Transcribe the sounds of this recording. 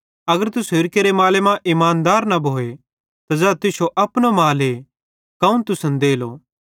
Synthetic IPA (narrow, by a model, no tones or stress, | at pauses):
ɐɡəɾt̪ʊsoɪɾkeɾemaːlemãʔɪmaːnd̪aːɾnɐbʱoːe | t̪azɛːt̪ɪsoʔɐpñomaːle | kɐũnt̪ʊsə̃nd̪eːloː